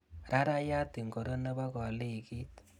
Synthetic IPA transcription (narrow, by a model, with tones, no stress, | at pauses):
ɾa˦ɾa˦ja˦ti˨ŋɡo˨ɾo˦na˦βa˦ɣa˨le˦i˨ɣi˦tḁ˨